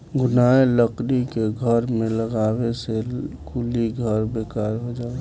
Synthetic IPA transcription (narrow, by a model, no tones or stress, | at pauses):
ɡʊnaeləkɾikeɡʱəɾmẽləɡaːwesekuliɡʱəɾbeːkaɾɦod͡ʒaːɡ